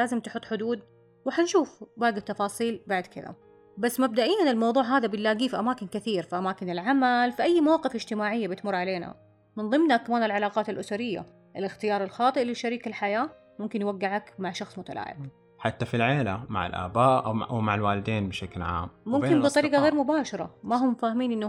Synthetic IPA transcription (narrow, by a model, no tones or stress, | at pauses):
laːzɪmt̪ħʊt̪ːˤħʊd̪uːd̪ | wɪħanʃuːfbaːɡɪt̪ːɑfɑːsˤiːlbaʕd̪kɪ̰ða̰ | basːmab̚d̪aʔijːanɪlmɑwðˤuːʕɦaːðabɪlːaːɡiːfiʔamaːkɪnkɪθiːɾfiʔamaːkɪnɪlʕamalfiʔajːmawɑːqɨfɪd͡ʒt̪ɪmaːʕɪjːabɪt̪mʊɾːˤʕaleːna̰ | mɪnðˤɨmnakamaːnɪlʕalaːqɑːt̪ɪlʔʊsaɾɪjːa̰ | ʔɪlɪxt̪ɪjɑːɾˤɪlxɑːt̪ˤɨʔlɪʃːaɾiːkɪlħajaː | mʊmkɪnjwaɡːɪʕakmaʕʃɑxsˤmʊt̪a̰lʔa̰ːʕɪ̰b | ħat̪ːafilʕeːlama̰ʕɪ̰lʔa̰ːbaːʔwmaʕalwaːlɪd̪eːnbɪʃaklʕa̰ːmmʊmkɪnbɨt̪ˤɑɾiːqɑɣeːɾmʊbaːʃɑɾˤɑ̰maɦʊmːfaːhamiːnʔɪnː